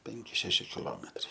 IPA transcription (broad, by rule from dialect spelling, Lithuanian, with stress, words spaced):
ˈpʲɛŋʲkʲɪ ˈʃʲæːʃʲɪ kʲɪˈlˠoːmʲɛtrɐɪ